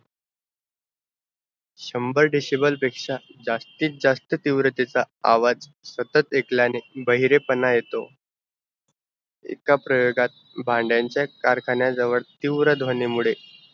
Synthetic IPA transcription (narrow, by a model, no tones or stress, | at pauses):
ɕəmbəɾɖiɕibəlpekʂad͡zast̪iːt̪̚d͡zast̪ət̪iʋɾət̪it͡saaʋad͡zsət̪ət̪ekljanebəɦiɾepənajet̪o | ḛkapɾəjoɡat̪̚ | bʱãɳɖjaɲt͡ɕjakaɾkʰaɳjad͡zəʋəɭt̪iʋɾəd̪ʋonemuɭe